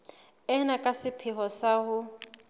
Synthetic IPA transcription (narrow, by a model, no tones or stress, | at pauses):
ɛnakʼasɪpʰɪɦɔsaɦʊ